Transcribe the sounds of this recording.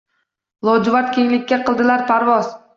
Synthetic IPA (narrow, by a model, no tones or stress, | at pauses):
lˠɒwd͡ʒɪvaɾt̪̚kʲʰeŋlɪkʲːaqɨlˠd̪ɪlaɾpʰaɾvɒz̥